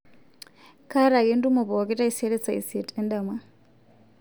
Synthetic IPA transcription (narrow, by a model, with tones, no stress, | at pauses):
ka˦ɾa˨ɣi˦ndu˦mo˨βɔ˨ki˦ta˦i˦se˦ɾe˦t͡sa˨ḭ˨se˨tʼɛ˦nda˨ma˦